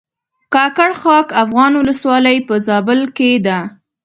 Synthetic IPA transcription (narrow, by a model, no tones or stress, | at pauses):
kɑkaɽxɑkafɣɑnwʊləswɑlajpəzɑbəlked̪a